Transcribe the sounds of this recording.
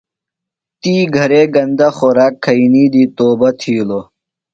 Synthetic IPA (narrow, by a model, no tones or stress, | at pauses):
t̪iːɡʱɐɾeːɡɐnd̪ɐxoɾaːkʰːɐiniːd̪iːt̪oːbɐt̪ʰiːlo